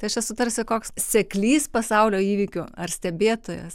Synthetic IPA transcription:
t̪ɐɪɐʃt͡ʃʲɛsʊt̪ɐɾʲsʲɪkoːkssʲɛklʲiːspɐsɐʊlʲoːiːʋʲiːkʲʊɐrsʲt̪ʲɛbʲeːt̪oːjɛ̰s

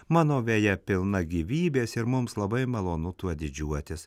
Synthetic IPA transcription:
mɑːnoːʋʲeːjɛpʲɪlˠnɐɡʲiːʋʲiːbʲeːsɪɾmʊmslˠɐbɐɪmɐlˠoːnʊt̪uɔd̪ʲɪd͡ʒʲuɔt̪ʲɪs

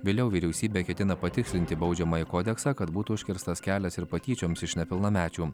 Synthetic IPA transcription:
ʋʲɪlʲɛʊʋʲiːɾʲɛʊsʲiːbʲeːkʲɛt̪ʲɪnɐpɐt̪ʲɪksʲlʲɪnʲt̪ʲɪbɒʊd͡ʒʲɛmɐjɪkoːd̪ʲɛksɑːkɐt̪buːt̪uʊʃʲkʲɪɾst̪ɐskʲæːlʲɛsɪɾpɐt̪ʲiːt͡ʃʲoːmsɪʃnʲɛpʲɪlˠnɐmʲæːt͡ʃʲuː

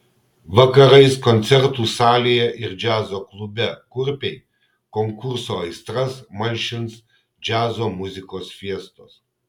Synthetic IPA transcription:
ʋɐkɐɾɐɪskɔnʲt̪sʲɛɾt̪uːsɑːlʲejɛʔɪɾd͡ʒʲæːzoːklˠʊbʲɛkʊɾʲpʲɛɪ | kɔŋkʊɾsoːɪst̪ɾɐsmɐnʲʃʲɪns | d͡ʒʲæːzoːmʊzʲɪkoːsfʲiɛst̪oːs

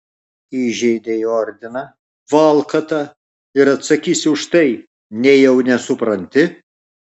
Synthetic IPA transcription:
iːʒʲɛɪd̪ʲejoːɾʲd̪ʲɪnɐ | ʋɐlˠkɐt̪ɐ | ɪɾɐt̪sɐkʲiːsʲɪʊʃt̪ɐɪ | nʲɛɪjɛʊnʲɛsʊpɾɐnʲt̪ʲɪ

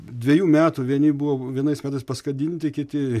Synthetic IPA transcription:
d̪ʲʋʲɛjuːmʲæːt̪uʋʲiɛnʲɪbʊʋoːʋʲiɛnɐɪsmʲæːt̪ɐɪspɐskɐd̪ʲiːnʲt̪ʲɪkʲɪt̪ʲɪ

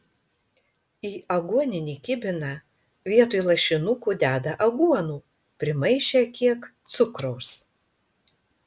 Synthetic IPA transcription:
iːɐɡuɔnʲɪnʲiːkʲɪbʲɪnɑ | ʋʲiɛt̪ujlˠɐʃʲɪnʊkuːd̪ʲæːd̪ɐʔɐɡuɔnuː | pʲɾʲɪmɐɪʃʲekʲiɛkt̪sʊkɾɔʊs

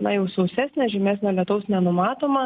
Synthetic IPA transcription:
nɐjɛʊsɐʊsʲæːsʲnʲɛʒʲɛmʲæːsʲnʲɛlʲɛt̪ɐʊsnʲɛnʊmɑːt̪oːmɐ

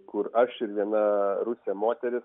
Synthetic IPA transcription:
kʊɾɐʃɪɾʋʲiɛnɐɾʊsʲemoːt̪ʲɛɾʲɪs

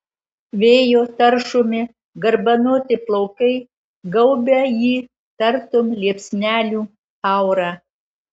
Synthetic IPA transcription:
ʋʲeːjoːt̪ɐɾʃʊmʲɪ | ɡɐɾbɐnoːt̪ʲɪplˠɐʊkɐɪ | ɡɐʊbʲɛjiː | t̪ɐɾt̪ʊmlʲiɛpʲsʲnʲæːlʲuː | ɑˑʊɾɑː

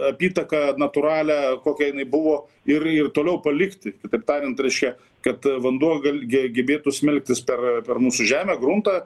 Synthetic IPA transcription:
ɐpʲiːt̪ɐkɐnɐt̪ʊɾɑːlʲæːkoːkʲɛjɪnɐɪbʊʋoː | ɪrɪrt̪oːlʲɛʊpɐlʲɪkt̪ʲɪkʲɪt̪ɐɪp̚t̪ɑːɾʲɪnt̪ɾʲɛɪʃʲkʲɛ | kɐt̪ʋɐnd̪uɔɡɐlʲɡʲɛɡʲɛbʲeːt̪ʊsʲmʲɪlʲk̚ʲt̪ʲɪspʲɛrpʲɛrmuːsʊʒʲæːmʲɛːɡɾʊnt̪ɑ

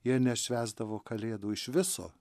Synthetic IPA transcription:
jiɛnʲɛʃʲʋʲæːzd̪ɐʋoːkɐlʲeːd̪uːɪʃʋʲɪso̰ː

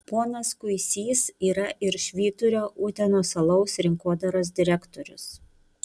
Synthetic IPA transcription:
poːnɐskʊɪsʲiːsiːɾɐʔɪɾʃʲʋʲiːt̪ʊɾʲoːʔuːt̪ʲɛnoːsɐlˠɒʊsɾʲɪŋkoːd̪ɐɾoːs̬d̪ʲɪɾʲækt̪ɔɾʲʊ̰s

